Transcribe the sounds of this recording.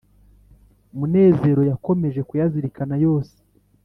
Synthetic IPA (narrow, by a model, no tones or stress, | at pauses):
mune̞ːze̞ɾo̞jako̞me̞ʒe̞kujaziɾikanajo̞ːse̥